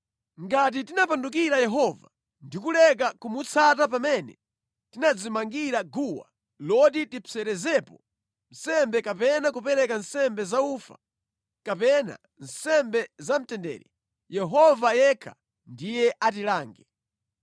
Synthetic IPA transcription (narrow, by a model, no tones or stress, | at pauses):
ŋɡat̬itinapanduk̬iɾajɛɦɔva | ndikulɛk̬akumut͡sʰatap̬amɛnɛ | tinad͡zimaŋɡiɾaɡuwa̰ | lɔditipʰɛɾɛzɛpɔ | n̩sɛmbɛkapɛnak̬upɛɾɛkansɛmbɛzauːfa̰ | kapɛna̰ | n̩sɛmbɛzam̩tɛndɛ̰ːɾi | jɛɦɔvajɛkʰa | ndijɛʔat̬ilaːŋɡɛ